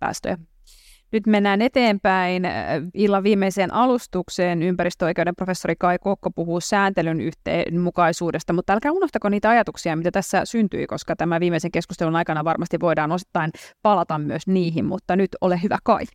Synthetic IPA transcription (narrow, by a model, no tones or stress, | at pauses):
pæ̰ːst̪ø̰jæ | nyt̪menːæːnet̪eːmpæinilːɑʋʋiːmːeiseːnʔɑlust̪ukseːnympæɾist̪øoikeudɾemprofesːoɾikɑikokːopuhuːsæːnt̪elyny̰ht̪ḛːnmukɑisuːdest̪ɑmut̪ːælkæunoht̪ɑkoniːt̪æɑjɑt̪uksiɑmit̪æt̪æsːæsynt̪y̰ikoskɑt̪æmæʋiːmeiseŋkeskust̪elunɑjkɑnɑʋɑrmɑst̪iʋʋo̞idɑːnosi̥t̪ːɑinpɑlɑt̪ɑmmyøsniːɦimmṵt̪ːɑnyt̪olehyʋæ̰kɑi